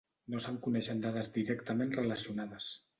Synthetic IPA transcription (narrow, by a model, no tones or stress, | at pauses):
nosaŋkunɛʃənd̪aðəzd̪iɾɛkt̪əmenrələsiunaðəs